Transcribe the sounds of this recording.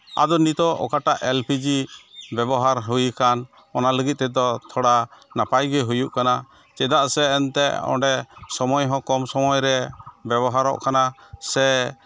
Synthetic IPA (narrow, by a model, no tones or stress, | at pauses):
a̰d̪ɔnit̪ɔʔɔ̰kaʈaʔʔɛlpid͡ʒibɛbɔɦaɾɦujkan | ɔnaləɡit̪̚t̪ːɛd̪ɔt̪ʰɔɽanapajɡɛɦujuʔkana | t͡ʃɛd̪aʔsɛːnt̪ɛɔ̰ɳɖɛsɔmɔjɦɔ̃kɔmsɔmɔjɾɛbɛβɔɦaɾɔ̰ʔkanasɛ